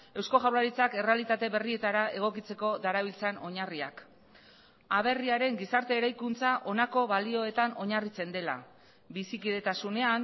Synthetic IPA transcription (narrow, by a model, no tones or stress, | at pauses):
e̞wsko̞ʝawɾaɾit͡sake̞re̞alit̪at̪e̞βe̞rie̞t̪aɾae̞ɣ̞o̞kit͡se̞ko̞ðaɾaβ̞ilt͡sano̞ɲaria̰k | aβ̞e̞riaɾe̞ŋɡisaɾt̪e̞ːɾajkunt͡saʔo̞nako̞βalio̞e̞t̪ano̞ɲarit͡se̞nd̪e̞la̰ | bisikið̞e̞t̪asune̞an